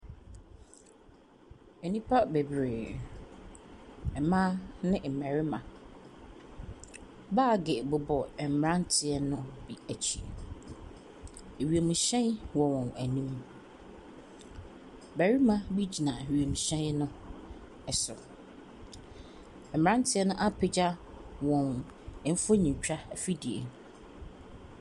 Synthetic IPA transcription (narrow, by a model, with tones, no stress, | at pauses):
e˨nĩ˦pʰa˦be˨bɾeː˨ | ɛ˨mã˦nɪ̃˦m̩˨mæ˨ɾɪ˦mã˨ | baː˦˨ɡɪ˨bʊ˨bɔ˨ɛ˨m̩˨mɾã˦n̩˦tʰɪ˨ɛ˦nʊ̃˦bi˨æ˨t͡ɕʰi˨ | e˨ɥi˨o˨mũ˨ɕɛ̃˦nwɔ˨wɔ̃˨næ˨nĩ˦m˨ | mæ˨ɾi˦mã˦bi˦d͡ʑi˨nã˨ɥi˨e˨mũ˨ɕɛ̃˦nnʊ̃˦ | ɛ˨sʊ˨ | ɛ˨m̩˨ã˦n˦tʰɪ˦ɛ˦nʊ̃˦ʔa˦pʰɪ˦d͡ʑa˦ | wɔ̃˨n | ɛ˨m̩˦fo˦ɲĩ˨t͡ɕᶣa˦˨fi˦di˨ḛ˨nʊ̃˨